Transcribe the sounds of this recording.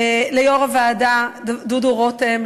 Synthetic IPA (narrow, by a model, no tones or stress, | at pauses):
lejoʁavaːdadd̪uduʁot̪em